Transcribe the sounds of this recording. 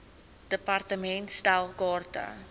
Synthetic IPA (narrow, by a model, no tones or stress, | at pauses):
d̥əpɑrtəmɛntstalˠkɑːrtə̰